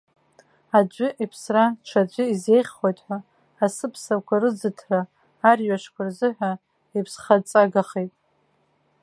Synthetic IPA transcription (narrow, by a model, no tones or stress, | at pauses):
ad͡ʒʷʏʔipʰsraʈ͡ʂʷʰad͡ʒʷʏize̞jχʲχojtʼħʷᶣaː | sɨpʰsakʷʰarɨd͡zɨtʰraː | rɥaʂkʷʰarzɨħᶣʷa | ipʰsχat͡sʼaɡaχejtʼ